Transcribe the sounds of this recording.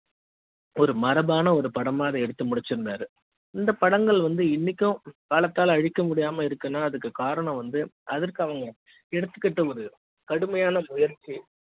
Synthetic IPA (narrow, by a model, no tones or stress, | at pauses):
ɔɾɯmɐɾɐbaːnɐɔɾɯpɐɽɐmaːɐðɐɛɽɯt̪ːɯmʊɽɪt͡ʃːɪɾɯnd̪aːɾɯ | ɪnd̪ɐpɐɽɐŋɡɐɭʋɐnd̪ɯɪnːɪkʲːʊ̃kaːlɐt̪ːaːlɐɻɪkːɐmʊɽɪjaːmɐɪɾɯkːɯnːaːɐðɯkːɯkaːɾɐɳɐ̃ʋɐnd̪ɯɐðɐɾkɯɐʋɐŋɡɐ | ɛɽɯt̪ːɯkːɐʈːɐɔɾɯ | kɐɽɯmɐjaːnɐmʊjɐɾt͡ʃːi